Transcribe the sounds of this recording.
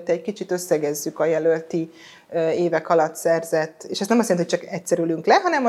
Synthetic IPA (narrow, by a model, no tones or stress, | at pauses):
t̪ɛːckit͡ʃit̪ø̞sːɛɡɛzːykɒjɛlølt̪i | eːvɛkɒlɒt̪sɛrzɛt̪ːeːʃɛst̪nɛmɒsjɛniott͡ʃɒkɛcsɛɾylyŋklɛɦɒnɛm